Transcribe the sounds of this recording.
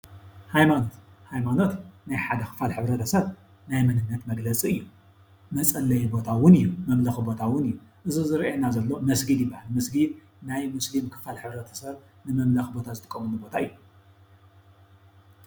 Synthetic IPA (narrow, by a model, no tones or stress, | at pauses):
hajmano̞t̪hajmano̞t̪najħad̪ɐkʰɨ̥falħɨβɾɐt̪ʰɐsɐβ | najmɐnɨnːɐt̪mɐɡlɐt͡sʼiɨjːu | mɐt͡sʼɐlːɐjbo̞t̪ʰawʊnɨjːumɐmlɐxɨbo̞t̪ʰawʊnɨjːuʔɨzizɨɾʔenazɐlːo̞mɐsɡid̪jɪbːahalmɐsɡid̪ | najmɨslimkʰɨ̥falħɨβɾɐt̪ʰɐ̥sɐβ | nɨmɐmlɐxbo̞t̪ʰazɨt̪ʰʼɨ̥kʼːɐmunubo̞t̪ʰaɨjːu